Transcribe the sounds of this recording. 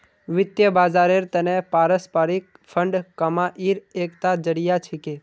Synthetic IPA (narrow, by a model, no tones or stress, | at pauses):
ʋɪt̪jəbaːzaːɾeɾt̪ɐnẽpaːɾəspaɾik | pʰəɳɖkːɐmaʔiɾeːkt̪ad͡ʒəɽijat͡ʃʰɪke